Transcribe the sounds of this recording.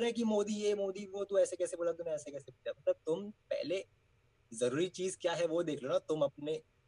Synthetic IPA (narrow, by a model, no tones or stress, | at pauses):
nɦɛk̬imoːd̪ijemoːd̪iʋot̪ũɛːsekɛːseboːlat̪unɛ̃ɛːsekɛːsebut͡ʃabt̪at̪ʊmpɛ̰ɦle | zɐɾuːɾit͡ʃiːzkjaːɦɛʋod̪eːkʰloːnat̪ʊmɐp̚ne